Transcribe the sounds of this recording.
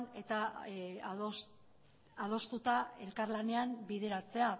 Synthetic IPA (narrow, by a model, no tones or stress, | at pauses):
ne̞t̪a | ð̞o̞st̪ut̪ae̞lkaɾlane̞ambiðe̞ɾat͡se̞a